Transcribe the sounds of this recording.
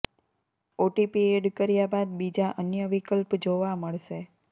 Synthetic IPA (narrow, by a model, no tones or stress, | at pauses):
oʈipieɖkəɾjabad̪bid͡ʒaʔənjəʋikəlpd͡ʒoʋaməɭʃe